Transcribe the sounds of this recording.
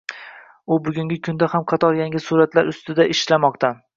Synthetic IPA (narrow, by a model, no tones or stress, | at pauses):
ʊbʊɡʲʊŋɡʲɪkʲʰʊnd̪ahamqʰɑt̪ʰɒɾjaŋʲɪsuɾat̪laɾʊst̪ɪd̪aʔɪʃlamɒqt̪ʰa